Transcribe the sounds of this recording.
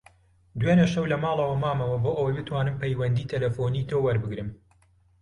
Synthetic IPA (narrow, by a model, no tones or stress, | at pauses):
d̪weːnɐʃɐwlɐmaːlˠɐwɐmaːmɐwɐboːʔɐwɐjbɨt̪ʰwaːnɨmpɐjwɐnd̪iːt̪ʰɐlɐfoːnit̪ʰoːwɐɾbɨɡɾɨm